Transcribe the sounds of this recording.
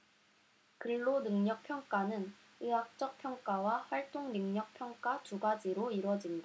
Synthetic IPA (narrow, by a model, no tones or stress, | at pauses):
kɯɭːonɯŋɲʌk̚pʰjʌŋk͈anɯn | ɯɦak̚t͡ɕ͈ʌk̚pʰjʌŋk͈awaɸwaɭt͈oŋnɯŋɲʌk̚pʰjʌŋk͈at͡ɕuɡad͡ʑiɾoiɾwʌd͡ʑinda